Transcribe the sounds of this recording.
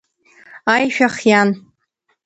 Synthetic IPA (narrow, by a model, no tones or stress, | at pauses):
ajʃᶣaχjan